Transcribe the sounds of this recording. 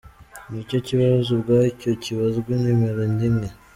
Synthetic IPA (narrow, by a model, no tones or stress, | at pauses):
nicociβaβzubɡaicociβazuɡwinimeɾendine